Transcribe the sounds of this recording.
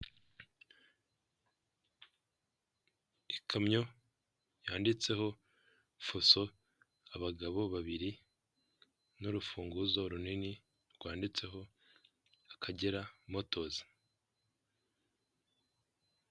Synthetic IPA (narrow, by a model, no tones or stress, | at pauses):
ikʰamɲo̞ | jaːndit͡se̞ho̞ | foso̞ | aβaɡaβo̞βaβiɾi | nuɾufuːŋɡuzo̞ɾunini | ɾɡwaːndit͡se̞ɦo̞ | akʰaɟeɾamo̞to̞zi̥